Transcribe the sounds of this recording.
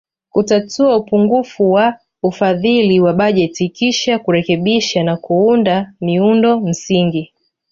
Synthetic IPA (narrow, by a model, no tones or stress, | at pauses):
kutatuaupuŋɡufuwa | ufaðiliwaɓaʄɛtikiʃakuɾɛkɛɓiʃanakuundamiundɔm̩siŋɡi